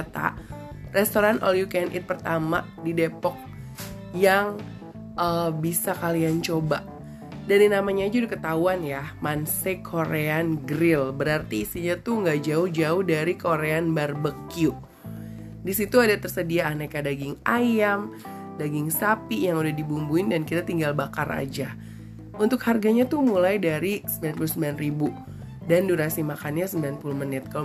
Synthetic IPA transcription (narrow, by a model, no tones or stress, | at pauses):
at̪a̰rɛst̪oɾanʔɔ̰ljukɛnʔɪ̰t̪̚pərt̪ama | didepɔk̚ | jaŋ | əbisakaliant͡ʃoba | daɾinamaɲad͡ʒudikət̪auanjamansekʰoɾeanɡəɾɪlbəɾart̪iːst̪iɲat̪uŋɡaʔd͡ʒaʊhd͡ʒaʊhdaɾikoɾeanbarbəkiu | disit̪uadat̪ərsədiaːnakadaɡɪŋajam | daɡɪŋsapijaŋudahdibumbuɪndankit̪at̪iŋɡalbakara̰d͡ʒa | unt̪ʊkharɡaɲat̪umulajdaɾisəmbilanpulusəmbilanribu | danduɾasimakanɲasəmbilanpuluhmənɪt̪̚kal